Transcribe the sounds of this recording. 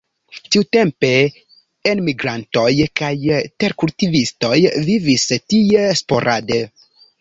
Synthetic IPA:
tiute̞mpe̞ | enmiɡɾanto̞jkajteɾkultivisto̞jvivistiespo̞ɾʔade

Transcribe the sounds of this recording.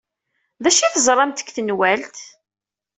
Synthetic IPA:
ðæʃiθəzˤɾˤɑmt̪ə̥kθənwælt̪

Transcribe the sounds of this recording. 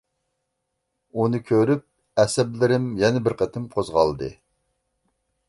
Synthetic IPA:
unɨkʲʰøɾyp̚ | ɛsɛblɪɾɪmjɛnɛbɪɾqʰɛt̪ʰɪmqʰozʁɑlˠd̪ɨ̰

